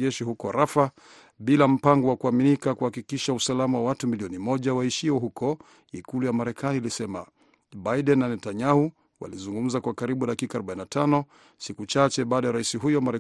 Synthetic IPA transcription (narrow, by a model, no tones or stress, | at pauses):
ɛʃiɦukɔɾafa | ɓilam̩paŋɡɔwakuaminikakuhakikiʃausalamawawatumiliɔnimɔʄawaiʃiwɔɦukɔ | ikulujamaɾɛkaniːlisɛma̰ | ɓaiɗɛnːanɛtaɲahu | wa̰lizuŋɡum̩zakwakaɾiɓuɗakikaɾɔɓainatʰanɔ | sikut͡ʃat͡ʃɛɓaːɗajaɾaisiɦujɔmaɾɛ